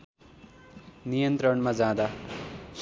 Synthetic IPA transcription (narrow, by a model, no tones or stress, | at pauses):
nijʌnt̪ɾʌɳmad͡zãd̪as